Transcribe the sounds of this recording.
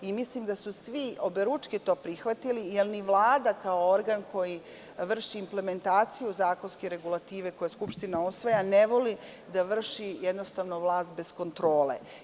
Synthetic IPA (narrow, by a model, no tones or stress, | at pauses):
imislimd̪asusʋio̞beɾut͡ʂkit̪o̞ːpɾixʋat̪ilijelniʋlˠaːd̪akao̞oɾɡanko̞ji | ʋr̩ʃiːmple̞me̞nt̪aːt̪sijuzaːko̞nskeɾe̞ɡulˠat̪iːʋe̞ko̞jeskupʃt̪inausʋajaneʋo̞li | d̪aʋr̩ʃijed̪no̞st̪aʋnoʋlˠaːst̪̚be̞sko̞nt̪ɾo̞ːlḛ